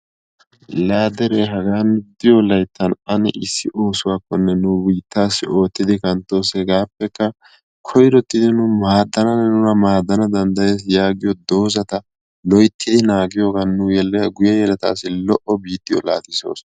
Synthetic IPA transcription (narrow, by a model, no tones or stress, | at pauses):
laːd̪ɛɾeːɦɐɡaːnd̪ɪjolɐjt̪ːɐnɐnɛ̰ʔɪsːɪʔo̞ːsʊwaːkːɔnːɛnʊwiːt̪ːaːsːɪo̞ːt̪ːɪd̪ɪkɐnt̪ːo̞ːsɛɡaːpːɛkːɐ | kʰɔjɾɔt̪ːɪd̪ɪnʊmaːd̪ːɐnɐnːɛnʊnɐmaːd̪ːɐnɐd̪ɐnd̪ɐje̞ːs̬jaːɡɪjɔd̪o̞ːzɐt̪ɐ | lɔjt̪ʰːɪd̪ɪnaːɡɪjo̞ːɡɐnːʊjɛlɛɡʊjɐjɛlɐt̪a̰ːsːɪlɔʔɔbiːt̪ːɪjɔ̰la̰ːt̪ɪso̞̰ːs